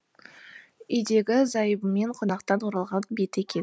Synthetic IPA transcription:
ijd̪e̞ɡʲɪzɑjəbəme̞ɴqʰonɑqt̪ɑnwoɾɑlˠʁɑnbe̞t̪e̞kʲe̞n

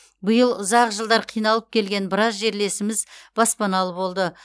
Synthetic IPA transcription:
bəjəlˠʊzɑqʒəlˠd̪ɑɾqʰijnɑlˠəp̚kʲʰe̞lɡʲe̞nbɪɾɑzʒe̞ɾle̞sɪmɪzb̥ɑspɑnɑlˠəbo̞lˠd̪ə

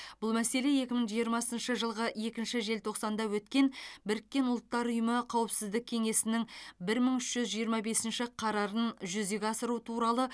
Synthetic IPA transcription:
bʊlˠmæse̞le̞je̞kʲɪməŋʒijəɾmɑsənʃəʒəlˠʁəe̞kʲɪnʃɪʒe̞lt̪ʰo̞qsɑnd̪ɑwɵt̪kʲe̞nbɪɾɪkʲːe̞nʊlˠət̪ːɑɾʊjəməqʰɑwəpsɪzd̪ɪkʲʰe̞ŋe̞sɪnɪŋbɪɾməɴʏʃʒ̥ʏzʒijəɾmɑbe̞sɪnʃɪqʰɑɾɑɾənʒʏzd̪eɡʲɑsəɾut̪ʰuɾɑlˠə

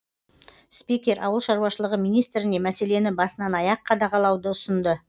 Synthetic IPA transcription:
spikʲe̞ɾʔɑ̰wəlˠʃɑɾwɑʃəlˠəʁəmijnijst̪ɾɪne̞mæse̞le̞nɪbɑsənɑnɑjɑqqʰːɑd̪ɑʁɑlˠɑwd̪əʊsənd̪ə

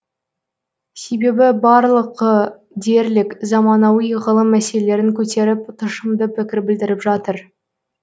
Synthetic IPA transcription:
se̞jbe̞bɪbɑɾlˠəqːə | d̪e̞ɾlɪkzɑmɑnɑwijʁəlˠəmːæselele̞ɾɪŋkʲʰɵt̪e̞ɾɪp̚t̪ʰʊʃəmd̪əpʰɪkʲɪɾbɪld̪ɪɾɪpʒɑt̪əɾ

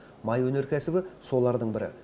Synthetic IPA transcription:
mɑjwɵne̞ɾkʲʰæsɪbɪso̞lˠɑɾd̪əɴbɪɾɪ̰

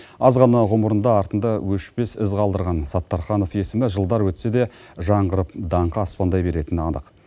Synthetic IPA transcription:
ɑzʁɑnɑʁʊməɾənd̪ɑɑɾt̪ənd̪ɑwɵʃpe̞sɪzqʰɑlˠd̪əɾʁɑnsɑt̪ːɑɾχɑno̞fje̞sɪmɪʒəlˠd̪ɑɾwɵt̪se̞d̪e̞ʒɑɴʁəɾəp̚d̪ɑɴqɑːspɑnd̪ɑjbe̞ɾe̞t̪ɪnɑnəq

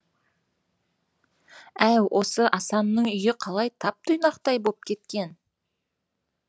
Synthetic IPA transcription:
æwʔo̞səʔɑsɑnːəɴʏjɪqʰɑlˠɑjt̪ʰɑp̚t̪ʰʊjnɑqt̪ɑjbop̚kʲʰe̞t̪̚kʲe̞n

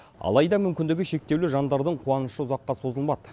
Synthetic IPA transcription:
ɑ̰lˠɑjd̪ɑmʏmkʲɪnd̪ɪɡʲɪʃe̞k̚t̪e̞wlɪʒɑnd̪ɑɾd̪əɴqʰuɑnəʃəʊzɑqːɑso̞zəlˠmɑd̪ə

